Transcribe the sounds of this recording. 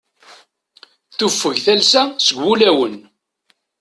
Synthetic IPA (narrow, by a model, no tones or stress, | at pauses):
θufːəʝθælsæsəɡʷːulæwən